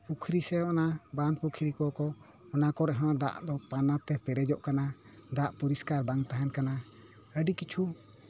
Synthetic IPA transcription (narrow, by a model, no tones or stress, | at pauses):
pukʰɾisɛɔnabanpukʰɾikɔkɔ | ɔnakɔɾɛɦɔ̃d̪a̰ʔd̪ɔpanat̪ɛpɛɾɛd͡ʒɔʔkanad̪aʔpuɾiskaɾbaŋt̪aɦankana | əɖikit͡ʃʰu